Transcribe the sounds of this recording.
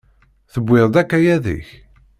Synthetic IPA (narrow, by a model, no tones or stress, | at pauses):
θəbːɪðˤd̪ækːæjæðḭç